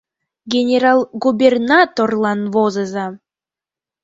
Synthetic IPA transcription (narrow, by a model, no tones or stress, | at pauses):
ɡʲenʲeɾɑlˠɡubʲernɑt̪orlˠɑnvozə̆zɑ